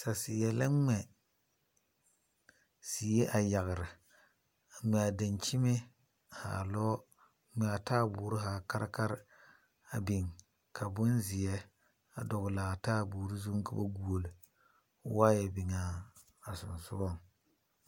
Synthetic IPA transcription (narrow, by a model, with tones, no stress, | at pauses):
sa˨sɪ˨jɛ˨la˦ŋ͡mɛ˨ | si˨jɛ˦ʔa˨ja˨ɣɾɨ˨ | a˨mɛ˨a˨da˨nt͡ʃi˦me˦ | ha̰ː˨lɔː˦ | ŋ͡mɛ˨a˨taː˦˨bu˨˦ɾɨ˦ɦaː˨ka˦ɾa˦ka˦ɾ | a˨bɪ˨ŋ | kʰa˨bʊ˦nzɪ˨jɛ˦ | a˨dɔ˨ɡʊ˨la˨taː˦˨buː˨ɾi˦zu˦ŋ˦ka˦ba˦ɡu˨o˨lɨ˨˦ | waː˦jɛ˨bɪ˨ŋaː˨˦˨ | sʊ˨nsʊ̰˦ɔ˦˨ŋ